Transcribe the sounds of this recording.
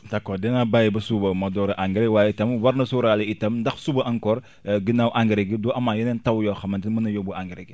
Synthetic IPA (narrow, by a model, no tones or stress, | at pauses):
takːodɛnabajibɐsubɐmɐdɔːɾɐʔaŋɡiɾewaːjitɐmwɐɾnɐsuɾaliitɐmndɐxsubɐʔɐŋkɔɾ | ɡinawʔaŋɡiɾeɡidɔʔɐmajɛnɛntɐwjɔxɐmɐndinmɐnɐjɔbuaŋɡiɾeɡi